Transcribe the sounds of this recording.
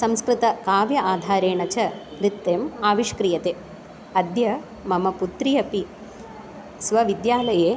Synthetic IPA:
sɐmskɾɪt̪ɐkaːʋjɐʔaːd̪ʱaːɾeːɳɐt͡ʃɐɾit̪ːeːmaːʋiʃkɾijɐt̪eː | ɐd̪jɐ | mɐmɐput̪ɾijɐpi | sʋɐʋid̪jaːlɐjeː

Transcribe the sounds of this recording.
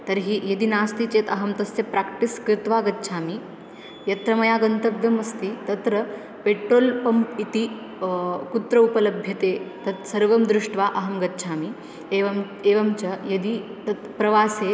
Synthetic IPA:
t̪ɐɾɦiːjɐd̪inaːst̪it͡ʃeːt̪ɐɦɐmt̪ɐsjɐpɾakʈiskɾɪt̪ʋaːɡɐtːʃʰaːmi | jɐt̪ɾɐmɐjaːɡɐnt̪ɐɡ̚d̪ɐmɐst̪it̪ɐt̪ɾɐ | peːʈɾoːlpɐmpit̪i | kut̪ɾɐupɐlɐbʱjɐt̪eːt̪ɐt̪sɐɾʋɐmd̪ɾuʂʈʋaːʔɐɦɐmɡɐtːt͡ʃʰaːmi | eːʋɐm | eːʋɐmt͡ʃɐjɐd̪it̪ɐt̪pɾɐʋaːseː

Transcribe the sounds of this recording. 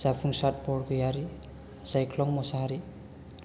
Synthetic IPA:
zapʰɯŋsat̚bɔɾɡɯjaɾi | sajkʰlɔŋmɔsaɦaɾi

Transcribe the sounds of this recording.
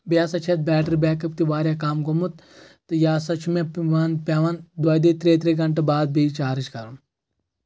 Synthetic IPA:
bijaːsɐt͡ʃʰet̪̚bɛːʈɐɾbɛːkɐp̚t̪iʋaːɾjaːkaːmɡomut̪ | t̪ɨjaːsɐt͡ʃʰumeʋaːnpeʋɐnd̪wɐːjd̪eːt̪ɾeːt̪ɾeɡɐɳʈɐbaːd̪̚bit͡ʃaːɾit͡ʃkɐɾɐn

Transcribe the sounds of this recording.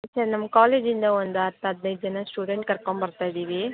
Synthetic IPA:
sɐɾnɐmːɐkaːleːd͡ʒind̪ɐʋond̪uɐt̪ːɐd̪̚nɐjt̪̚d͡ʒɐnɐsʈuːɖeɳʈ̚kɐɾkoɳbɐɾt̪aːjd̪iːʋi

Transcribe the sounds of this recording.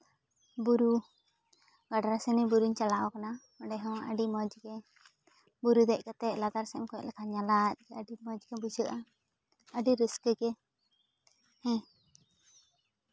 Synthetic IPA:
buɾu | ɡaɖaɾasɛnɛbuɾuɲt͡ʃalaʔɔkana | ɔɖɛɦɔ̃wəɖimɔd͡ʒɡɛ | buɾud̪ɛʔ̚kat̪ɛʔ̚lad̪aɾsɛɛmkɔlɛkaɲalat̪̚d͡ʒɛəɖimɔd͡ʒɡɛbud͡ʒəʔa | əɖiɾəskəɡɛ | hɛ̃

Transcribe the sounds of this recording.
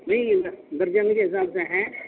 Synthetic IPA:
mɐĩd̪əɾd͡ʒankeɪs̬aːbseɦɛ̃

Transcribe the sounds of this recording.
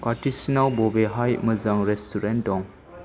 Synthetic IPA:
paɾtisinalbɔbeɦajməzaŋɾɛstuɾendɔŋ

